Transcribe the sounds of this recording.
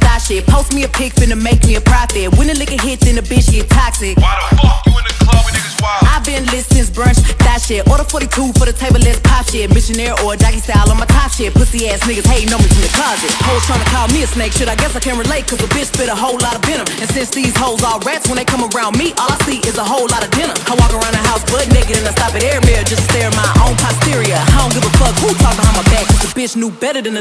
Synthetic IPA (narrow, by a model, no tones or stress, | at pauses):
d̥æʃɪpʰoʊsmiɨpʰɪkfɪ̃nɨmeɪkmiɨpʰɹ̥afɪwɪ̃nɨ̃nlɪkɨɦɪt͡ʃɨ̃nɨbɪʃɪtʰæksɪwɨɨ̃nɨkʰlʌwɪwaɪvbɪ̃nlɪstsɪ̃nsb̥ɹʌ̃nt͡ʃd̥æʃɪtəðəfɔɾitʰufə˞ðɨtʰeɪbə˞lɛstʰæfʃɪmɪʃɨnɛɹʔə˞dækisælˠə̃nmaɪtʰɑfʃɪpʰʊtsðiɛsnɪɡɨz̥heɪnoʊmɪ̃tʰɨ̃nðɨkʰʌd͡ʒɨhoʊlˠtʰɹãɪ̃mɨkʰamiɨsneɪkʃʊɾaɪɡɛsaɪkʰæ̃nt̚ɹɨleɪt̚kʰʌzəbɪt͡ʃb̥ɪɾəɦoʊlɑɾʌvdɪ̃nə˞ɨ̃nsɪ̃nsðiz̥hoʊlˠzɔlˠɹɛtswə̃nðeɪkʰʌ̃məɹãʊ̃nmiʔʔɔlˠaɪsiʔɪzəɦoʊlɑɾʌvdɪ̃nə˞aɪwɔkə˞ãʊ̃ndəɦaʊsb̥ʌdⁿnɛɪkɡɨɾɨ̃ŋaɪstɑpɨɾɛɹmɪd͡ʒʌststɛɹɨ̃maɪʔõ̰ʊ̃npʰastɪɹiɨhaə̃nɡɪvəfʰl̥ʌɡhʰutʰɔk̚əhãʊ̃maɪbæɡ̚kʰʌzəbɪt͡ʃnubɛɾə˞ðɨ̃nðɨ